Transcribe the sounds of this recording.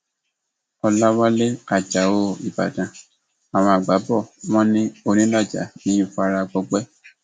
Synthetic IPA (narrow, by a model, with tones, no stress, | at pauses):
ɔ˧la˦wa˦le˦a˨d͡ʒa˨o˦˨i˨ba̰˨dã˨ | a˨w̃ɔ̃˧a˨ɡ͡ba˨˦bɔ˦˨w̃ɔ̃˦nĩ˦o˧ɾ̃ĩ˦la˦˨d͡ʒa̰˨˦nĩ˦ĩ˦fa˧ɾa˧ɡ͡bɔ˧ɡ͡bɛ˦